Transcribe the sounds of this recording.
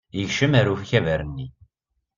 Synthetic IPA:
jəʝʃəmæɾufçævæɾənːi

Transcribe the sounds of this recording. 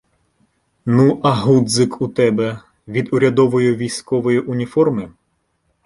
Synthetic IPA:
nuʔɐɦud̪zɪkut̪ɛbɛ | ʋʲid̪ʊɾʲɐd̪ɔʋɔjʊʋʲijsʲkɔʋɔjiʔʊnʲifɔrmɪ

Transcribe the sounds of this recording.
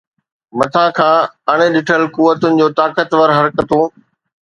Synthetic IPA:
mɐt̪ʰãkʰãːɐɽ̃̆ɗɪʈʰəlkuʋət̪ʊnɪ̆d͡ʑoːt̪aːkət̪ʋəɾɦɐɾkət̪oː

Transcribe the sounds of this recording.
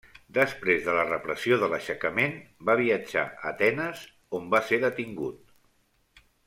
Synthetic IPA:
d̪əspɾezðələrəpɾəsioðələʃəkəmenbaβ̞iəd͡ʒa̰ət̪ɛnəz | ombaseðət̪iŋɡut̪

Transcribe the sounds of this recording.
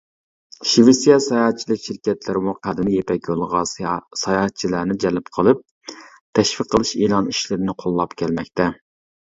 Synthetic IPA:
ʃivɪsijɑsɑjɑtt͡ʃʰːilˠɨkʲʃiɾkʲɛt̪lɪɾɪmuqæd̪ɪnɪjepʰɛk̚ʲjolˠʁɑsɑjɑt͡ʃʰːilæɾnɪd͡ʒɛlɪpqʰəlˠɨp̚ | t̪ʰɛʃfiqʰːəlˠɨʃelˠɑniʃlɪɾɪnɪqʰolˠːɑpkʲʰɛlmɛkʲt̪ɛ

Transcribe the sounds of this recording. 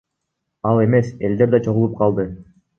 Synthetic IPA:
ɑlˠe̞me̞se̞ld̪e̞ɾd̪ɑt͡ʃʰo̞ʁulˠup̚qʰɑlˠd̪ɯ

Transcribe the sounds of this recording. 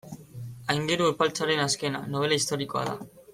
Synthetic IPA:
ajŋɡeɾuuɾpalt͡saɾe̞naske̞na̰no̞βe̞laist̪o̞ɾiko̞a̰ða̰

